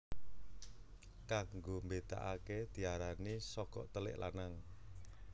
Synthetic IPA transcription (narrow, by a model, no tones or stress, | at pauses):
kaŋɡombet̪a̰ʔaked̪̥i̤aɾanisɔkɔ̰ʔt̪əlɪ̰ʔla̰naŋ